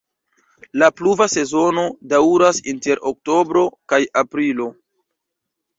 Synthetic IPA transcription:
lapluvase̞zo̞nodawɾasinte̞ɾʔok̚to̞bɾo̞kajapɾilo̞

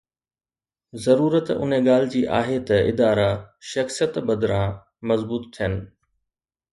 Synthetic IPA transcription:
zɐɾuːɾət̪ʊ̰n̤eɡaːl̤ɪd͡ʑiːʔa̰ːɦet̪ɐɪ̰d̪aːɾaʃɐxsijət̪bɐd̪ɾãː | mɐzbuːt̪t̪ʰːijənɪ̆

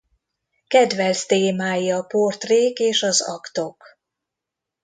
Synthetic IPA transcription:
kɛd̪vɛlst̪eːmaːjiɒpo̞rt̪reːkeːʃɒzɒ̰kt̪o̞k

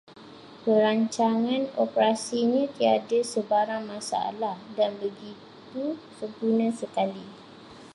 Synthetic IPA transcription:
pəɾaɲt͡ʃaŋãnopəɾasiɲãt̪iadəsəbaɾaŋmãsa̰a̰lahdanbəɡit̪usəmpunãsəkali

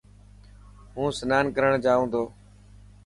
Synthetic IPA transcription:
ɦũːsənaːnkəɾəɳd͡ʒaːũːnd̪oː

